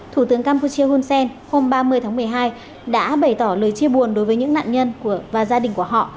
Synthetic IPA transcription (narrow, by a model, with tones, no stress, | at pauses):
t̪ʰu˧˩t̪ɨ˨˦əŋkaː˧mpu˧t͡ɕi˧əhu˧nsɛ˧nho˧mɓaː˧mɨ˧əjt̪ʰaː˨˦mɨ˨˩əjɦaː˧j | ɗa̰ː˧˥ɓə˧˩jt̪ɔ˧˩ləː˨˩jt͡ɕi˧əɓu˨˩ənɗo˨˦jvəː˨˦ɲɨ̰˧˥ŋna̰ː˧˨nɲə˧nku˧˩əvaː˨˩zaː˧ɗï˨˩ŋ̟ku˧˩əɦɔ̰˧˨ʔ